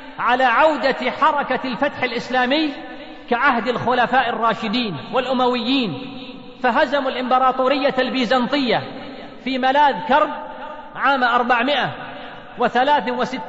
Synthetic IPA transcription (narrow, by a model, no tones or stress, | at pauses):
ʕalaːʕawd̪aħɑɾˤɑkalfat̪ħalʔɪslaːmɪjː | kaʕahd̪alxʊlafaːʔɪrˤːɑːʃɪd̪iːnwalʔʊmawɪjːiːn | faɦazamalʔɪmbɑɾˤɑːt̪ˤuːɾɪjːalbiːzɑnt̪ˤɪjːa | fiːmalaːðkɑɾˤb̚ | ʕaːmʔɑɾˤbaʕmɪʔa | wɪθalaːθwɪsɪt̪ː